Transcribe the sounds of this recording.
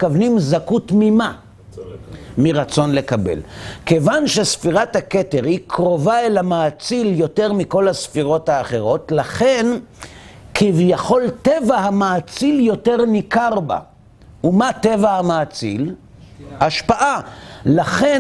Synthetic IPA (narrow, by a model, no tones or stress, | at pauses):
kavnimzakutmima | miʁat͡so̞nle̞kabḛlke̞vanʃesfiʁathake̞te̞ʁhikʁo̞vaelamaːt͡siljo̞te̞ʁmiko̞lasfiʁo̞thaːχe̞ʁo̞tlaχen | kʰivjaχo̞lte̞vaɦamaːt͡siljo̞te̞ʁnikaʁba̰ | umate̞vahamaːt͡sḭl | aʃpaʔalaχe̞